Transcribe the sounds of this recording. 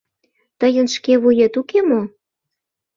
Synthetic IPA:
t̪əjənʃkeβujet̪ukemo

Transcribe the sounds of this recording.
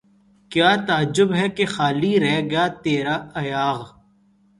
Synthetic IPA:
kjaːt̪aəd͡ʒːʊbɦɛkexaːliɾɛɦɡɐjaːt̪eːɾaːɐjaːɣ

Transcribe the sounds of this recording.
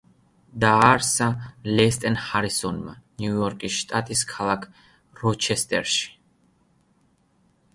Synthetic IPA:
d̪aːɾsalɛst̪ʼɛnhaɾisɔnma̰niujɔɾkʼisʃt̪ʼat̪ʼiskʰalˠakʰ | ɾɔt͡ʃʰɛst̪ʼɛ̰ɾʃi̥

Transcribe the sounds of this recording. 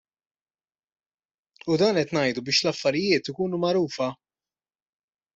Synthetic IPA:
ud̪ɐːnɛt̪nɐjd̪ubɪːʃlɐfːɐɾɪjɪːt̪ɪkuːnumɐɾuːfɐ

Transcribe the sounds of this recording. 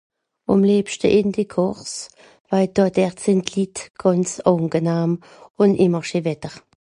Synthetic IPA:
ɔ̰mliːpʃtə̰ʔɪndikʰɔʁs | v̥aɪdɔdɛʁtsɪntlitɡ̥ɔnt͡sɔŋɡənaːm | ʊndɪməʁʃivɛtəʁ

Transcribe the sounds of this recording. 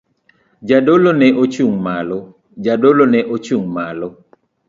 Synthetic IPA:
d͡ʒadolonɛʔot͡ʃuŋmalɔ | d͡ʒadolonɛʔot͡ʃuŋmalɔ

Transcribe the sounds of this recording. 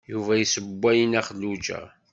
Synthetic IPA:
juvæjisəbʷːæjənæχəlːud͡ʒæ̰

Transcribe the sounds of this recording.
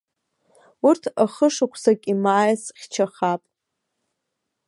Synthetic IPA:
urtʰaχəʂakʷʰsakʲʼimaːjsχʲt͡ʃʰaχapʼ

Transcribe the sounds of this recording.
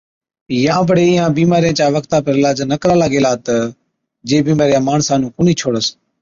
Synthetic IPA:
jãːbəɽeːɪːãːbiːmaːɾɪjãːt͡ʃaːʋəkt̪aːpəɾɪlaːd͡ʒnəkɾaːlaːɡeːlaːt̪ə | d͡ʒeːbiːmaːɾɪjãːmaːɳsaːnũːkʊːniːt͡ʃʰoːɽəs

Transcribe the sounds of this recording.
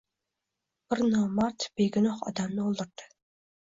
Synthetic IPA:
b̥ɪɾnɑwmɑɾt̪b̥eɡʲɪnoχɒ̰d̪ɑmnɨolˠd̪ɨɾd̪̥ɨ

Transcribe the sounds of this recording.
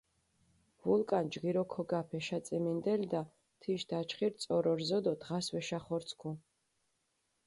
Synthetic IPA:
vulˠkʼand͡ʒɡiɾɔkʰɔɡapʰɛʃat̪sʼimind̪ɛld̪a | t̪ʰiʃd̪̥at͡ʃʰχiɾt̪sʼɔɾɔɾzɔd̪ɔd̪ʁasvɛʃaχɔɾt̪sʰkʰu

